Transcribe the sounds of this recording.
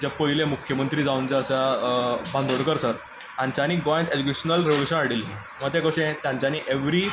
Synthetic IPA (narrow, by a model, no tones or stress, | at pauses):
d͡ʑapəɦilẽmukʰjəmənt̪ɾiːd͡zaunt͡saəsa | bʱãnd̪ʱoɽkəɾsəɾ | ãɲt͡ɕaniːɡɔjẽɳʈ̪ed͡ʑukeɕənəlɾeʋluɕənaɽilːi | mət̪ekəɕẽt̪jãɲt͡ɕaniːʔeʋɾiː